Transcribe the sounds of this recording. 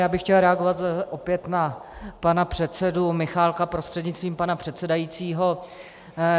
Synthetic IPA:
jaːbɪxcɛlɾɛaɡo̞vat̪ʔopjɛt̪napanapr̝̥ɛt̪sɛdumɪxaːlkapɾo̞st̪r̥ɛdɲɪt͡st̪viːmpanapr̥ɛt̪sɛdajiːt͡siːɦo

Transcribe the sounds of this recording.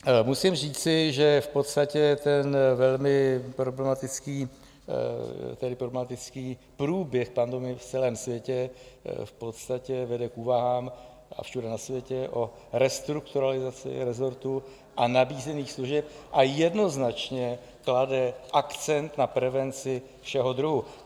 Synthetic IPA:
musɪmr̝iːt͡sɪʒɛfpot̪st̪acɛt̪ɛnvɛlmɪpɾo̞blɛmat̪ɪt͡skiː | t̪ɛdɪpɾoblɛmat̪ɪt͡skiː | pɾuːbjɛxpandomɪft͡sɛlɛːmsvjɛcɛfpo̞t̪st̪acɛvɛdɛkʔuːvaɦaːm | a̰fʃudɛnasvjɛcɛʔo̞ | ɾɛst̪ɾukt̪uɾalɪzat͡sɪ̰ɾɛzo̞ɾt̪u | ʔanabiːzɛniːxsluʒɛp̚ʔajɛdno̞znat͡ʃɲɛ | kladɛʔakt͡sɛnt̪napɾɛvɛnt͡sɪ | fʃɛɦo̞d̪ɾuɦu

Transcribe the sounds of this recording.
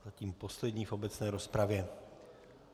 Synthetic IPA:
aciːmpo̞slɛd̪ɲiːfʔo̞bɛt͡snɛːɾo̞spɾavjɛ

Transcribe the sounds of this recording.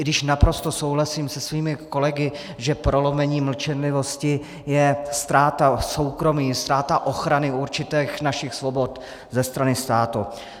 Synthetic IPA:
dɪʃnapɾo̞st̪o̞sowɦlasiːmsɛsviːmɪko̞lɛɡɪ | ʒɛpɾo̞lomɛɲiːml̩t͡ʃɛnlɪvo̞scɪ | jɛst̪ɾaːt̪aso̞wkɾo̞miːst̪ɾaːt̪aʔo̞xɾanɪʔuɾt͡ʃɪt̪ɛːxnaʃɪxsvo̞bo̞t̪ | zɛst̪ɾanɪst̪aːt̪ṵ

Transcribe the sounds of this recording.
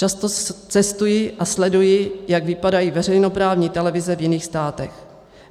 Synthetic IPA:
ast̪ot͡sɛst̪ujɪʔaslɛdujɪjaɡvɪpadajivɛrɛjno̞pɾaːvɲiːt̪ɛlɛvɪzɛvjɪniːxst̪aːt̪ɛx

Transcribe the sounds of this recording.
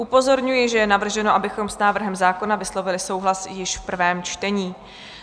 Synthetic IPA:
ʔupo̞zo̞ɾɲujɪʒɛjɛnavr̩ʒɛnoʔabɪxo̞msnaːvr̩ɦɛmzaːko̞navɪslo̞vɪlɪso̞wɦlasjɪʃfpr̩vɛːmt͡ʃt̪ɛɲiː

